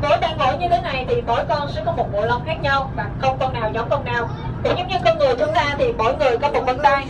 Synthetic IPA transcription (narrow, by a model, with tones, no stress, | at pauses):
mo˨˦jɓa̰ː˧˩nho̰˧˩˦jɲɨ˧t̪ʰe˨˦na˨˩jt̪ʰi˨˩ɓo̰˧˩˦jkɔ˧nsɛ̰˧˥kɔ˨˦mo˨˩t̚mo̰˧˨jlə˨˧˩ŋ͡mxaː˦˥k̚ɲa˧wɓa̰ː˨˩xə˧wŋ͡mkɔ˧nːaː˨˩wɲɔ˨˦mkɔ˧nːaː˨˩w | kɨ̰˧˥˦ŋ͡mɲɨ˨˧˥ɲɨ˨˧kə˧nŋɨ˨˩əjt̪ʰɨ˧əŋzaː˧t̪ʰi˨˩ɓo̰˧˩jŋɨ˨˩əjkɔ˨˦mo̰˨˩və̰˧˨nlaː˧j